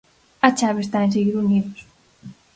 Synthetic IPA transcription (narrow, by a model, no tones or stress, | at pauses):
at͡ʃaβest̪aenseɣiɾuniðos